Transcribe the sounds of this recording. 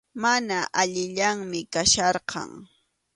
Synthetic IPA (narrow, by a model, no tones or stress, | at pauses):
manaʔaʎɪʎaŋmɪkaʃɑɾqɑ̰ŋ